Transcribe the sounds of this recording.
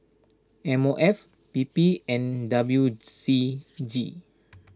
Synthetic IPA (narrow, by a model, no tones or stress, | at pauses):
ɛ̃moʔɛf | pipiɛ̃ndabljusid͡ʒi